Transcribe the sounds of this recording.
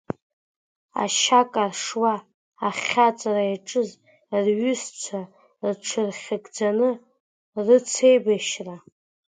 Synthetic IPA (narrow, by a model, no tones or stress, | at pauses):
a̰ʃakʼarʂwaː | χʲat͡sʼarajʈ͡ʂʼɨz | rɥʏst͡sʷʰa | rʈ͡ʂʰɨrχʲaɡʼd͡zanɨ | rɨt͡sʰe̞jbaʃra